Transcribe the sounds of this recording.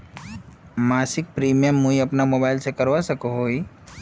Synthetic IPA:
maːsɪk̚pɾiːmijəmːuiɐpnamoːbaːɪlsekəɾʋasəkoɦoːi

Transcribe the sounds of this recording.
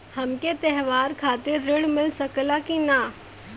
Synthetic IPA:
hɐmket̪ɛɦʋaːɾkʰaːt̪ɪɾːɪɽmɪlsəklakina

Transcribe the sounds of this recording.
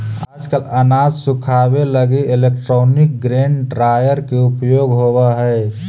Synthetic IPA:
aːd͡ʒkələnaːd͡ʒsʊkʰaːbeləɡeɪleːk̚ʈɾɔːnɪk̚ɡɾẽːɳɖɾaːjəɾkeʊpjoːɡɦoːwaɦɛː

